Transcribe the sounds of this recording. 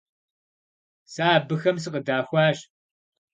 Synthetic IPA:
saːbɨxɐms̬ɨqədaːxʷaːɕ

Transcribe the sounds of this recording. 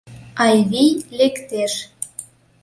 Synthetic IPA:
ɑjβijlekt̪eʃ

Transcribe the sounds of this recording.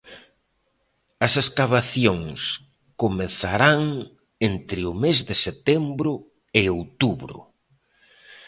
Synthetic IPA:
ɐseskaβaθjoŋs | komeθaɾaŋ | ent̪ɾɪʊmezðɪset̪ɛmbɾʊ | ɪowt̪uβɾʊ̰

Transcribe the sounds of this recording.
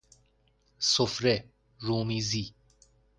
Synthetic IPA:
sofɾe | ɾuːmiːzi

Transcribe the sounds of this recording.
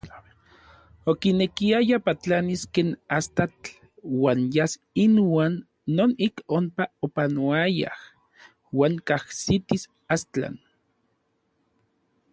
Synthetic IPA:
okinekiajapat͡ɬaniskeːnast̪at͡ɬ | waːnjas | inwaːnː | oːnikompaopanoaja̰h | waːŋkahsit̪is | ast̪a̰n

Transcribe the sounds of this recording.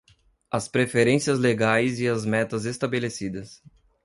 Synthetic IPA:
ɐspɾefeɾẽsiɐzleɡajzɪɐzmɛt̪ɐzest̪abelesid̪ɐs

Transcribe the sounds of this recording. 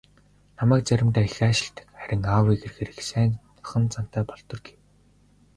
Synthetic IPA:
namæːk̚t͡sæɾʲɪ̆mt̪æːxæːʃɪ̆ɬt̪̆kχæɾʲɪ̆ŋaːwiːɡerxeɾɘ̆ksæːn | χə̆nt͡san̥t̪æːpɔɮt̪ɞ̆rɡe̥w

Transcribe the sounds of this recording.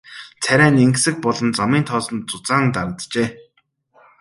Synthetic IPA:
t͡sʰæɾʲæːneŋksɘ̆k̚pɔɮɞ̆nt͡samiːnt̪ʰɔːsɞ̆nt͡sʊt͡saːnt̪aɾə̆t̪t͡ɕeː

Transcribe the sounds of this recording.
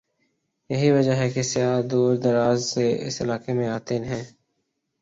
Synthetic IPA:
jɐɦiʋɐd͡ʒəɦɛkesɪjaːd̪uːɾd̪ɐɾaːzseʔɪ̰sɪlaːkemẽaːt̪enɦɛ̃ː

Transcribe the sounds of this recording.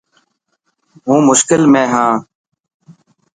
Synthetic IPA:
ɦũːmʊʃkɪlmẽːɦãː

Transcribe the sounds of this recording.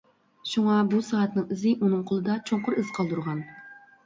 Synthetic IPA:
ʃuŋɑbusɑːɑt̪nɨŋizɪʔunɨŋqʰolˠɨd̪ɑt͡ʃʰoɴqʊɾɪzqʰɑlˠd̪uɾʁɑn

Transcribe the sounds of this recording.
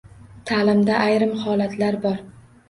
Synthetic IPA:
t̪ʰalɪmd̪aʔajɾɪmhɒlat̪ʰlaɾbɒɾ

